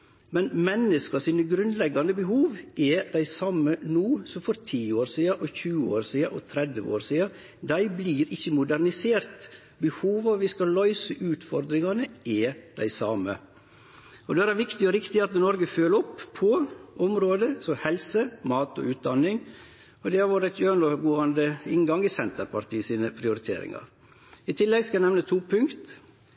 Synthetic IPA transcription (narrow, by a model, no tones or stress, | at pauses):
mɛnmɛnːəskɑsiːnəɡɾʉnd̪lɛɡːɑnd̪əbəɦuːʋʔɛd̪æɪsɑmːənuːsɔfɔɾt̪ʰiːoːɾsiːɑʔɔçʉːəo̰ːɾsiːɑʔɔt̪ʰɾɛd̪ʋəo̰ːɾsiːɑ | d̪æɪbliːɾɪçːəmʊd̪æɾnɪseːɾt̪ | bəhuːʋɑʋʋɪskɑlœʏsəʔʉːt̪fɔɾd̪ɾɪŋɑnəɛd̪̥æ̰ɪsɑmə̰ | ɔd̪ɛæɾæɾʋɪkt̪ɪɔɾɪkt̪ɪɑt̪̚nɔɾɡəføːləɔpʰːɔʔʊmɾoːd̪əsɔhɛlsəmɑːt̪ɔ̰ʉːt̪̚d̪ɑnːɪŋ | ɔd̪ɛɑɾʋɑːɾæɪt̪jøːnoːɡoːɑnd̪əɪŋɡɑŋɪsɛnt̪əɾpʰɑɾt̪ʰiːsiːnəpʰɾɪʊɾɪt̪ʰḛːɾɪ̰ŋɑ̰ɾ | ɪt̪ʰɪlːɛɡskɑæɪnɛʋnət̪ʰuːpʰʉŋkt̪